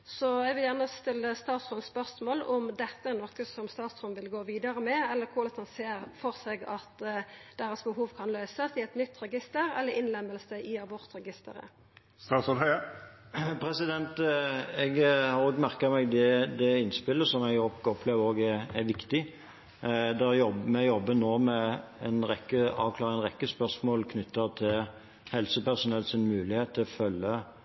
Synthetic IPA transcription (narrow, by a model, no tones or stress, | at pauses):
sɔɛɡʋɪljæʁnəst̪ɪlːəst̪ɑːt̪sʁɔnspœʁsmoːlɔmd̪ɛt̪ːəɛnɔkəsɔmst̪ɑːt̪sʁɔnʋɪlɡoːʋiːd̪əɾəmɛɛlːəkʰʊlɛt̪ʰɑnseːɾfɔʁsɛɡɑt̪d̪̥ɛːɾəsbəɦuːʋkʰɑnlœʏsəsɪɛt̪nʏt̪ːɾɛɡɪst̪əɾɛ̰lːəɾɪnlɛmːəlsəʔɪɑbɔʁt̪ɾɛɡɪst̪ə̰ɾə̰ | st̪ɑːsɔ | pʰɾɛsɪd̪ɛnt̪ɛɡhɑɾoːɡmæɾkɑmɛɡd̪ɛd̪ɛɪnspɪlːəsɔmɛɡokɔpʰleːʋəɾoːɡæɾæɾʋɪkt̪ɪ | d̪ɛjɔbmɛjɔbːənoːmɛɛnɾɛkːəɑ̰ːʋkʰlɑːɾɛnʁɛkːəspœɾsmoːlkʰnʏt̪ːəʁt̪ʰɪl | hɛlsəpæʁsʊnɛlsɪnmʉːlɪheːt̪t̪ʰːɪlɔfœlːə